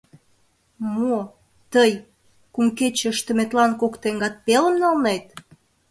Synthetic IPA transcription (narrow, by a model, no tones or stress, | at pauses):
mo | t̪əj | kumket͡ɕə̆ʃt̪ə̆met̪lɑnkokt̪eŋɡɑt̪̚peləmnɑlnet̪